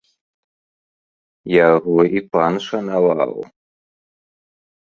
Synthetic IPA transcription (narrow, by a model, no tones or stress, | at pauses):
jaɣɔipʷʰanʂanawa̰w̰